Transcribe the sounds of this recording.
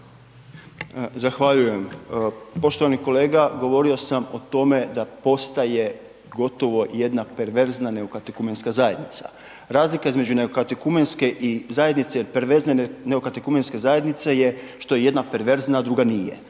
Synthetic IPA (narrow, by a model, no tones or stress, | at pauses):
zaxʋaʎuje̞m | po̞ʃt̪oʋaniko̞le̞ːɡaɡo̞ʋo̞ɾio̞samot̪o̞me̞d̪apo̞st̪aje̞ | ɡo̞t̪o̞ʋo̞je̞d̪nape̞ɾʋe̞ɾznane̞okat̪ekumenskazaje̞d̪nit̪sa̰ | ɾaːzlikaizme̞d͡ʒune̞okat̪ekumenske̞ʔizaje̞d̪nit̪seilpeɾʋeɾzneneokat̪ekumenske̞zaje̞d̪nit̪se̞je̞ | ʃt̪o̞jeje̞d̪nape̞ɾʋe̞ɾznad̪ɾuːɡanije̞̰